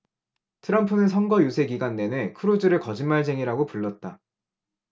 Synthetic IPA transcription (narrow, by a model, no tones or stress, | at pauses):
tʰɯɾʌmpʰɯnɯnsʰʌŋɡʌjusʰe̞ɡiɡanːe̞ne̞kʰɯɾod͡ʑɯɾɯɭkʌd͡ʑinmaɭs̬ʰe̞ŋiɾaɡopuɭːʌt̚t͈a